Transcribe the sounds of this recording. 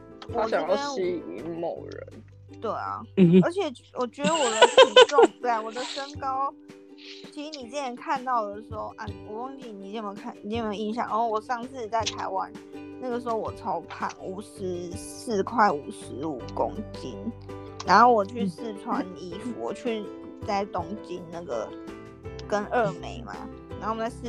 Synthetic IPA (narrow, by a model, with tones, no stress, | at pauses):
wɔ˨˦˨ɑ˨˥ŋ˥˧˥i˧˥i˨˩mḭ˨˧˥ŋmo˨˩ʊɻə̰˧˦n | t̪we˥˩ɪɐ̰˨˩ə˞˧˥t͡ɕʰjɛ˨˩ | wʔɔ˨˩t͡ɕɥɛ˧˥d̪ə˧˦wɔ˨˩d̪əsʰi˨˩ʈ͡ʂʊ˥˨˩ŋt̪we˥˩ɪ˨˩wɔ˨˩d̪ə˦ʂə˦ŋkɑ˦˥ʊ | t͡ɕʰi˧˥ʂɻ̩˧˥ni˨˩t͡si˥˩ə˧˥nkʰa˥˧nt̪ɑ˥˩ʊd̪ə˩ʂɻ̩˧˥xo˥˧ʊʔa˥˩˨pu˨˩ko˥ŋt͡ɕi˥˩ni˨˩t͡ɕi˥˩˧kʰa˥˩nni˨˩i˥˩me˧˥˧i˧˥nɕ̬jɑ̰˨˦ŋna˧˦˥xo˥˩wɔ˨˩ʂɑ˥˧ŋt͡sɹ̩˥˩t͡ɕi˨˩t͡sa˥˩ɪt̪ʰa˧˥ɪwa̰˦n | na˥˩ɡə˩ʂɻ̩˧˥xo˥˧˩wɔ˨˩t͡sʰo˧˦˥ʊpʰa̰˨˩nu˨˩ʂɻ̩˧˦s̩˥˩˨kʰwa˥˩ɪu˨˩ʂɻ̩˧˦u˨˩kʊ̰˦˥ŋt͡ɕi˦˥n | na˧˥nxo˥˩ʊwɔ˨˩t͡ɕʰy˥˧˩sɹ̩˥˩ʈ͡ʂʰwa˥˦˥ni˧˥fṵ˨˩wɔ̰˨˩t͡ɕʰy˥˩ | t͡sa˥˩ɪt̪ʊ˥ŋt͡ɕi˦nna˥˩ɡə̰˩ | kə˦nə˥˩me˨˧˦ɪma̰˨˩ | na˨˧˦xo˥˩˧t͡sa˥˧s